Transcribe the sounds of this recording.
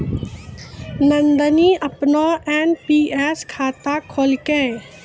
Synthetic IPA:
nə̃nd̪əniʔəpnoʔɛːnpiːɛːskʰaːt̪akʰoːlkɛ̃

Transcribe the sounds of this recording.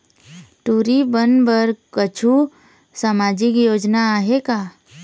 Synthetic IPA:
ʈuːɾibənbəɾkət͡ʃʰu | samaːd͡ʒɪkjoːd͡ʒnaaɦekaː

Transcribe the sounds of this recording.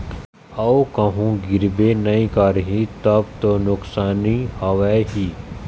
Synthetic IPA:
ɐokɐɦũɡɪɾbenɐĩkaɾɦĩt̪ɐbt̪onʊksaːnihaʋɛɦi

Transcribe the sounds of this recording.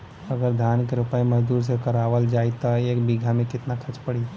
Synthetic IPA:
ɐɡəɾd̪ʱaːnkeɾʊpaːimɐd͡ʒd̪uːɾs̬ekɐɾaːʋəld͡ʒaːit̪aeːkbiːɡʱamẽkɪt̪nakʰɐt͡ʃpɐɽi

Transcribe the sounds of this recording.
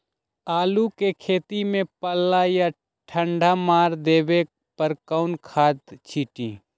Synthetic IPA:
aːlukekʰeːt̪imẽpəlaja | ʈʰəɳɖʱamaːɾd̪eːʋe | pəɾkəʊnkʰaːt̪t͡ʃʰiːʈĩː

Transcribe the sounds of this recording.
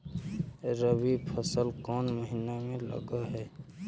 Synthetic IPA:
ɾəbipʰəsəlkɔːnməɦɪnːamẽlə̰ɡəɦɛː

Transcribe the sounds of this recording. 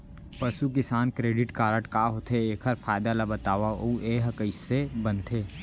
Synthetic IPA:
pɐsuk̬ɪsaːnkɾeːɖɪʈkaːɾəʈkaːɦoːt̪ʰeeːkʰɐɾfʰaːɪd̪alabɐt̪aːʋauʔeːɦɐkəɪssebɐ̃nt̪ʰeː

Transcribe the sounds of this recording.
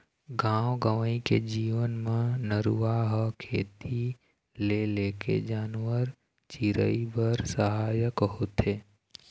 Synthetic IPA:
ɡãːwɡəʋəĩked͡ʒiːʋənmãnəɾuaɦəkʰeːt̪i | leleːkḛd͡ʒaːnʋəɾ | t͡ʃiɾə̰ibəɾsəɦaːjəkɦot̪ʰeː

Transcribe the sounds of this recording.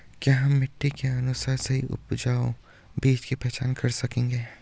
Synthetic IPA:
kaɦɐmːɪʈːikeɐnʊsaːɾseɦiʔʊ̰pd͡ʒaːo | biːt͡ʃkipɛɦt͡ʃaːnkɐɾsɐkẽːŋɡeː

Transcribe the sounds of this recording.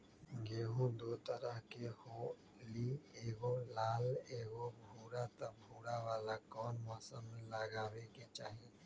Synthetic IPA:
ɡeːɦũd̪oːt̪əɾəɦkehoː | liːeːɡolaːleːɡobʱuːɾat̪abʱuːɾaʋaːlakɔːnmaːsəmləɡaːʋeket͡ʃaːɦeː

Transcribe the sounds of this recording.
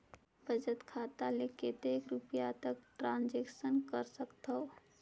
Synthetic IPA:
bəd͡ʒət̪kʰaːt̪aleket̪eːkɾupjat̪əkʈɾãːnd͡ʒeːksənkəɾsəkt̪ɦəo

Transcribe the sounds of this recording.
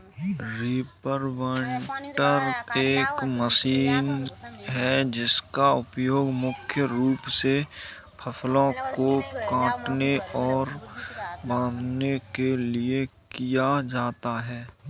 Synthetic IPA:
ɾiːpəɾʋɛ̃ɳʈəɾeːkməsiːnɦɛd͡ʒɪskaʊpjoːɡmʊkʰjəɾuːpse | pʰəpʰlõkokãːʈneɔːɾ | bãːd̪ʱnekeliekijad͡ʒaːt̪aɦɛː

